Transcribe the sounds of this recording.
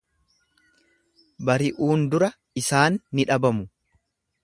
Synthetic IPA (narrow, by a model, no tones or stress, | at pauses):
bɐɾɪʔuːnd̪ʊɾɐ | ɪsaːnːɪᶑɐbɐmʊ